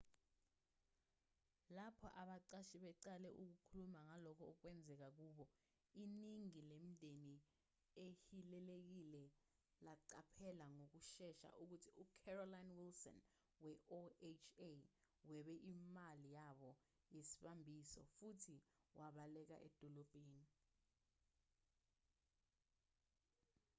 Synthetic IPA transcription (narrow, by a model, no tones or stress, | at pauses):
lapʰɔ̰ʔaɓaǀaʃiɓɛǀalɛʔuk̬ukʰulumaŋalɔkʰɔːk̬wɛnd͡zʱɛk̬ak̬uːɓɔ | iniŋilem̩dʱeni | ehilɛlek̬ilɛ | laǀapʰɛlaŋok̬uʃɛʃa̰ʔuk̬utʰiukʰɛrɔlajnwilsɔ̰n | wɛʔoet͡ʃʰe | wɛɓɛʔimalijaɓɔ | jesi̥ɓambʱisɔ̰futʰiwʔaɓalɛk̬a̰ʔɛ̰d̥ʱɔlɔb̥ʱeːni